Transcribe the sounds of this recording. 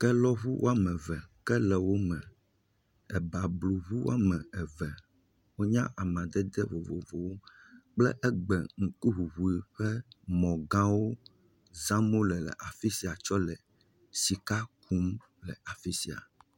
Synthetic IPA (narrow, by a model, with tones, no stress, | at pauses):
kɛ˦lɔ˦βu˦wʔo̰˦a˦mɛ̃˨vɛ˨kɛ˦lɛ˨wo˦mɛ̃˨ | ɛ˨ba˨blu˨βu˦wo̰˦a˦mɛ̃˨ɛ˨vɛ˨ | wo˦ɲã˦ʔa˨mã˨d̪ɛ˦d̪ɛ˦vo˨vo˨vo˨wo˦ | k͡plɛ̰˦ʔɛ˦ɡ͡bɛ̰˨ŋ̩˨ku˦ɦu˨βu˨i˨ɸɛ˦mɔ̃˨ɡã˦wo˦ | zã˦mo˦lɛ˨lɛ̰˨ʔa˨fi˦si˨a˨t͡ʃɔ˦lɛ˨ | si˨ka˦ku˦m | lɛ˨a˨fi˦si˨a̰˨